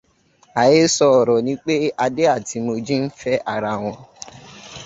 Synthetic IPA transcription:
a˨je˦sɔ˧ɔ˨ɾɔ˨nĩ˨˦k͡pe˦a˧de˦a˦˨ti˧mo˧d͡ʒĩ˦n̩˦fɛ˦ʔa˦˨ɾa˨w̃ɔ̃˧

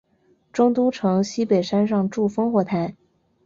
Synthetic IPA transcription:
ʈ͡ʂʊ˥ŋt̪u˥ʈ͡ʂʰɤ˧˥ŋɕi˥pe˨˩ɪʂa˥nʂɑ˥˧ŋʈ͡ʂu˥˩fɤ˥ŋxwɔ˥˩t̪ʰa˧˥n

